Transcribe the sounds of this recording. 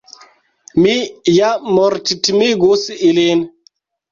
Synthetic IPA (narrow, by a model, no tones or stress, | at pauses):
mijamɔɾtitimiɡosiʔilen